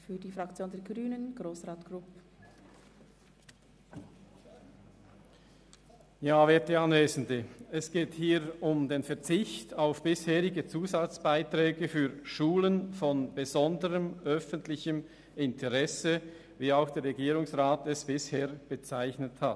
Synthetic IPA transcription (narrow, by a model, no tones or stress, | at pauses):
fyːɐdiːfɾakt͡sjoːndɛːɐɡʁyːnənɡ̥ʁoːsʁaːtɡ̥ɾʊpə | jaːveːɐtdəɑnveːzn̩dəɛsɡ̥eːthiːʁʊmdeːnfɛɐt͡sɪçtaʊfb̥ɪsheːʁɪɡət͡suːzat͡sb̥aɪtʁɛːɡəfyːʃuːlənfɔnb̥əzɔndəʁəmʔœfəntlɪçəm | ɪntʰəʁɛsə | viːaʊxd̥ɛːɐɾʁɛɡiːʁʊŋsʁaːtɛsb̥ɪsheːʁb̥ət͡saɪçnəthat